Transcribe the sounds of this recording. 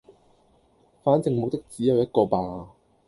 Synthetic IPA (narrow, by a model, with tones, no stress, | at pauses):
faː˨˥nt͡sɪ˨˧ŋmʊ˨k̚t̪ɪ˥k̚t͡siː˨˥jɐ˨wjɐ˥t̚kɔː˧paː˨˧